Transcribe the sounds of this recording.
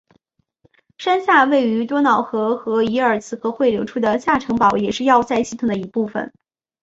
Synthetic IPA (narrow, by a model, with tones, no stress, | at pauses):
ʂa˥nɕja˥˧we˥˩ɪy˧˥t̪wɔ˥nɑ˨˩ʊxɤ˧˥xɤ˧˥i˧˥ə˞˨˩t͡sʰɹ̩˧˥kʰɤ˧˥xwe˥˩ɪljo˧˥ʊʈ͡ʂʰu˥d̪ə˨ɕja˥˩ʈ͡ʂʰɤ˧˥ŋpɑ˨˩˦ʊjɛ˨˩ʂɻ̩˥˧jɑ˥˧ʊt͡sa˥˧ɪɕi˥˩t̪ʰʊ˨˩ŋd̪ə˦˩i˧˥pu˥˩fə̰˨˩n